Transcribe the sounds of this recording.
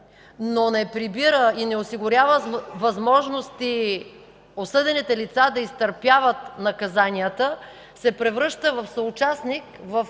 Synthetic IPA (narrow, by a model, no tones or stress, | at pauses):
nonɛpɾibiɾəinɛosiɡʊɾʲavəvɐzmɔʒnost̪i | osɤd̪ɛnit̪ɛlit̪sad̪ɐist̪əɾpjavət̪nɐkɐzaniət̪ə | sɛpɾɛvɾɤʃt̪əvɐfsəʊt͡ʃasnikvəf